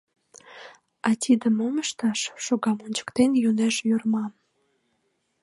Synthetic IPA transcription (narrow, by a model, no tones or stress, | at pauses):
ɑt̪ʲʰid̪əmoməʃt̪ɑʃːoɣɑmonʲt͡ɕə̥kt̪enjuneʃjyrmɑm